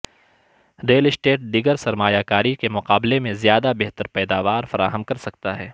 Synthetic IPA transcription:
ɾeːlɪsʈeːʈ̚ɖiɡəɾsɐɾmaːjakaːɾikemʊqaːblemẽzjaːd̪abɛɦt̪əɾpɛːd̪aːʋaːɾfɐɾa̰ːɦəmkɐɾsɐk̚t̪aɦɛː

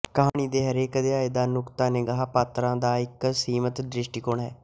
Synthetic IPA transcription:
kəɦaːɳ̃iːd̪eːɦəɾeːkd̪ɪaːeːd̪aːnʊkt̪aːneːɡəɦaːpaːt̪ɾãːd̪aːɪksiːmət̪d̪ɾɪʃʈiːkʊɳɦɛː

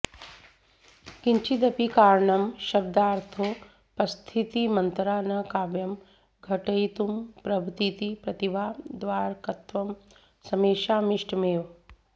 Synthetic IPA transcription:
kiɲt͡ʃid̪ɐpikaːɾɳɐmʃɐb̚d̪aːɾt̪ʰoː | pɐst̪ʰit̪imɐnt̪ɾaːnɐkaːbjɐm | ɡʱɐʈɐjt̪umpɾɐbʱut̪it̪ipɾɐt̪iʋaːd̪ʋaːɾkɐt̪ʋɐm | sɐmeːʃaːmiʂʈmeːʋ

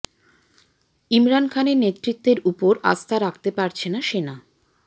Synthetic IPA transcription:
imɾankʰanenet̪ːɾit̪ːeɾupoɾa̰st̪ʰaɾakʰt̪epaɾt͡ɕʰenaʃena

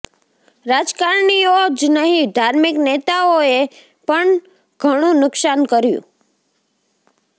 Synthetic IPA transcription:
ɾad͡ʒkaɾɳiod͡ʒnəɦĩd̪ʱaɾmiknet̪aoe | pəɳ | ɡ̥ʱəɽ̃ũnʊksankəɾjṵ̃

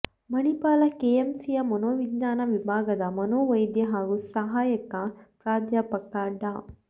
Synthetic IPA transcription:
mɐnipaːlɐkeːemsijɐmɐnoːʋiɡɲaːnɐʋibʱaːɡɐd̪ɐmɐnoːʋɐjd̪jɐɦaːɡusɐɦaːjɐkɐpɾaːd̪japɐkaːɖa

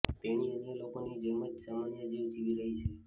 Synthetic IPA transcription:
t̪eniənjəlokonid͡ʒəɦməd͡ʒsamanjəd͡ʒiʋd͡ʒiʋiɾəɦit͡ʃʰe

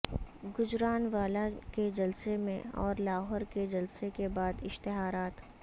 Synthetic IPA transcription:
ɡʊd͡ʒɾaːnʋaːlaked͡ʒɐlsemḛ̃ɔːɾlaːɦɔːɾked͡ʒɐlsekebaːd̪ɪʃt̪ɪɦaːɾaːt̪

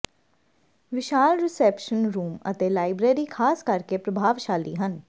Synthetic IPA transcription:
ʋɪʃaːlɾɪsɛːpʃənɾuːmə̰t̪eːlaːɪbɾeːɾiːkʰaːskəɾkeːpɾəbʱaːʋʃaːlḭːɦən

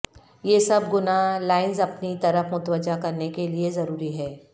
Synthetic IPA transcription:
jeːsɐbɡʊnalaːɪnzɐpnit̪ɐɾəfmʊt̪ʋəd͡ʒakɐɾnekeliezɐɾuːɾiɦɛː

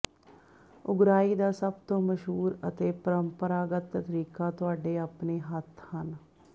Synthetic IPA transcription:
ʊɡɾaːiːd̪aːsəbt̪õːməʃɦuːɾət̪eːpəɾəmpəɾaːɡət̪ːət̪ɾiːkaːt̪ʊaːɖeːaːpneːɦət̪ʰhən

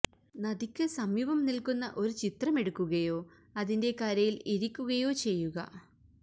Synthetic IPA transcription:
nɐðikʲːɨsɐmjuʋɐmnilkunːɐ̰ʔo̞ɾut͡ɕit̪rɐme̞ɽukːuɣɐjo̞ː | ɐðinde̞kɐɾɐjiliɾikʲːuɣɐjo̞ːt͡ɕe̞jːuɣɐ̰

